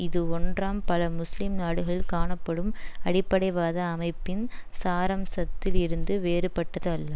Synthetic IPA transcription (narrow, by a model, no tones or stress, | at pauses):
ɪðɯɔndraːmpɐlɐmʊslɪmnaːɽɯɣɐɭkaːɳɐpːɐɽɯmɐɽɪpːɐɽɐɪʋaːðɐːmɐɪpːɪnsaːɾɐmsɐt̪ːɪlɪɾɯnd̪ɯʋeːɾɯpːɐʈːɐðɐlːɐ